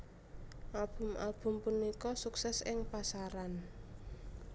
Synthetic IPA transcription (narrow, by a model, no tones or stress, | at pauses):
ʔalb̥ʊ̤mʔa̰lb̥ʊ̤mpunikɔsuksɛsɪŋpasaɾan